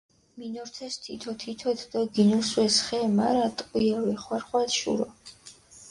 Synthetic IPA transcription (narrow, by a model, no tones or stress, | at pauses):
minɔɾt̪ʰɛst̪ʰit̪ʰɔt̪ʰit̪ʰɔɛt̪ʰd̪ɔɡinuswɛsχɛmaɾat̪ʼqʼwiawɛχwaɾχwat̪ʃṵɾɔ